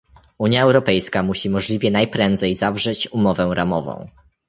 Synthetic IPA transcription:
uɲjaɛwɾɔpɛjskamuɕimɔʐlʲivʲjɛnajpɾɛnd̪zɛjzavʐɛt͡ɕumɔvɛ̃ɾamɔvɔ̰̃w̃

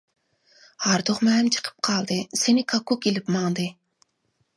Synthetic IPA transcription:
hɑɾd̪oχmɛmt͡ʃʰə̥qʰə̥p̚qʰɑlˠd̪ɨsenɪkʰɑkukelɪpmɑŋd̪ɨ

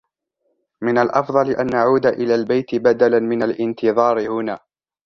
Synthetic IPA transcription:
mɪnalʔɑfðˤɑlɪʔanʔaʕuːd̪aʔɪlaːlbajt̪ɪbad̪alanmɪnalʔɪnt̪ɨðˤɑːɾɪhʊnaː

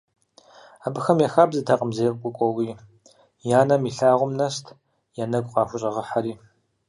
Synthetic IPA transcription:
aːbɨxɐmjaxaːbzɨtʰaqʼəmzejqʼkʷʼʊkʷʼɔwiː | jaːnɐmiːɬaːʁʷʊmnɐstʰ | janɐɡʷqɑːxʷʊɕʼɐʁəħaɾiː

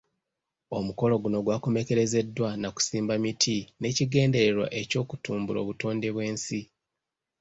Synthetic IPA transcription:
o̞muko̞lo̞ɡuno̞ɡwakome̞ke̞ɾe̞ze̞dːwanaku̥siːmbamitʰine̞ciɡe̞ːnde̞ɾe̞ɾwa̰ʔe̞co̞ːkutuːmbulo̞̰βuto̞ːnde̞βwe̞ːnsi

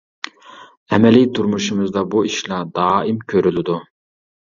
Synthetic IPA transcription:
ɛmɛlit̪ʰuɾmuʃumɨzd̪ɑbuiʃlɑd̪ɑːimkʲʰøɾylɪd̪u

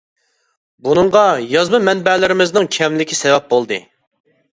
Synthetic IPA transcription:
bunɨɴʁɑjɑzmɨmɛnbɛlɪɾɪmɪznɪŋkʲʰɛmlɪkʲisɛvɛp̚bolˠd̪ɨ̰

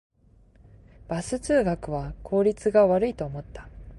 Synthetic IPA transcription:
b̥asɨt͡sɨːɡakɯ̟βakʰo̞ːɾʲit͡sɨɡaβaɾɯ̟it̪o̞ːmo̞t̪ːḁ

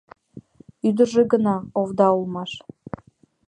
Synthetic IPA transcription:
yd̪ə̆ʒeɡə̆nɑovd̪ɑulˠmɑʃ

